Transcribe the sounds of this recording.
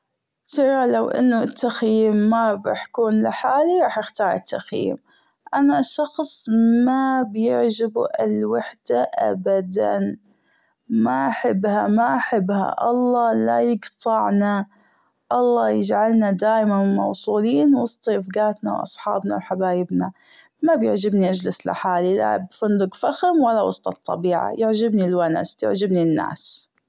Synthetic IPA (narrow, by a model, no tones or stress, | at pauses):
t̪ɑɣɾalawʔɪ̰nːʊt̪ːaxjiːmːabaħkuːnlɪħaːliɾˤɑːħjɪxt̪ɑːɾˤɪt̪ʰːaxjḭːm | ʔanaʃɑxsˤmabjɪʕd͡ʒɪbuʔɪlwaħd̪̥aʔa̰bad̪a̰n | maʔaħabːhamaʔaħɪbːha̰ʔɑlˤːɑːlajɪɡt̪ˤɑʕna | ʔɑlˤːɑːjɪd͡ʒʕalnad̪aːjmanmɑ̰wsˤuːliːnwɑsˤt̪ˤʔɪfɡaːt̪na̰wʔɑ̰sˤħɑ̰ːbna̰wħabaːjɪbna | mabjɪʕd͡ʒɪbniʔad͡ʒlɪslɪ̰ħaːlila̰bfʊnd̪ʊɡfaxɪmwalːawɑ̰sˤt̪ˤɑt̪ˤːɑ̰biːʕa̰jɪʕd͡ʒɪbnilwana̰st̪ɪ̰ʕd͡ʒɪbninːa̰ːs